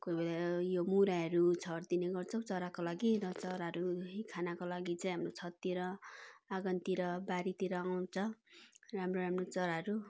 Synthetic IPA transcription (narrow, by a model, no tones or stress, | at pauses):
kujbelajomuɾaɦʌɾut͡sʰʌrd̪ineɡʌrt͡sʰʌw̃t͡sʌɾakolaɡiɾʌt͡sʌɾaɦʌɾuɦikʰanakolaɡit͡sãj̃ɦamrot͡sʰʌtt̪ːiɾʌaɡʌnt̪iɾʌbaɾit̪iɾʌaw̃t͡sʰʌramroɾamrot͡sʌɾaɦʌɾu